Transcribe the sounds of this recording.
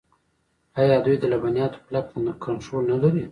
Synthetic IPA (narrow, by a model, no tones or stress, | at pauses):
ajɑd̪ujd̪əlabanijɑt̪o̥plaknkʰant̪ɾolnad̪aɾe